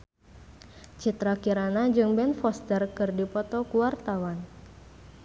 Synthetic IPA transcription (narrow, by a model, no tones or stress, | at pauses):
t͡ʃit̪ɾakiɾanad͡ʒɨŋbɛnfɔst̪ərkɨrdipɔt̪ɔkuwart̪awan